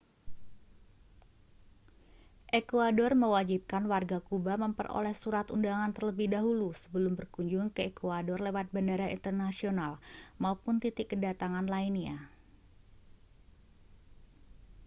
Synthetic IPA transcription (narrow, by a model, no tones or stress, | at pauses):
ʔekuadɔrməwad͡ʒip̚kanwarɡakubaməmpə̰ro̰lɛhsuɾat̪undaŋant̪ərləbɪhdaɦulusə̥bəlʊmbərkuɲd͡ʒʊŋkəekuadɔrlewat̪̚bandaɾaḭnt̪ərnasionalmaupʊnt̪it̪ɪkːədat̪aŋanlaina̰